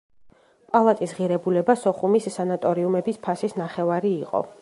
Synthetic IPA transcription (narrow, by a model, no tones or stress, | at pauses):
pʼalˠat̪ʼisʁiɾɛbulɛbasɔχumisːanat̪ʼɔɾiumɛbispʰasisnaχɛvaɾiːqʼɔ̰